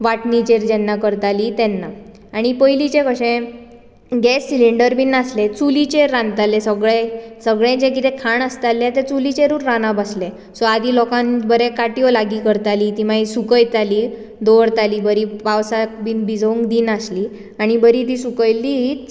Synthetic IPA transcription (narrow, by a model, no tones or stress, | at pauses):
ʋaʈnit͡ɕeɾd͡ʑɛnːakəɾt̪alit̪ɛnːa | aɽ̃ipəjlit͡ɕẽkəɕẽ | ɡɛsːiliɳɖəɾbinaslet͡sulit͡ɕeɾːãnt̪alesəɡɭesəɡɭẽd͡ʑẽk̬it̪ẽkʰaɳəst̪alːjat̪et͡sulit͡ɕeɾuːɾːanabəsle | sɔad̪ilɔkãnbəɾẽkaʈijɔlaɡiːkəɾt̪aliːt̪im̤aɦisukəjt̪aliː | d̪oɽt̪aliːbəɾipawsakbiːnbid͡zũŋkd̪iːnasliː | aɽ̃ibəɾit̪̬iːsukəjlit͡s